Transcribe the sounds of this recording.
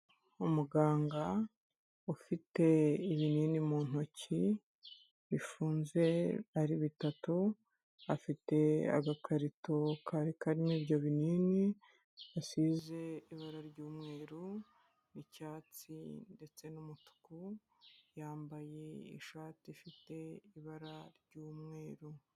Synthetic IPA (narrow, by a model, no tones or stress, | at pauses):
umuɡaːŋɡa | ufite̞iβiniːnimuːn̥oci | βifuːnze̞aɾiβitatu | afite̞a̰ɡakʰaɾitokʰaɾikaɾiniːbɟo̞βiniːni | asize̞iβaɾaɾɟuːmŋe̞ːɾu | nicaːt͡sinde̞t͡se̞numutu̥ku | jaːmbaje̞ḭʃaːt͡sifite̞iβaɾaɾɟuːmŋe̞ːɾu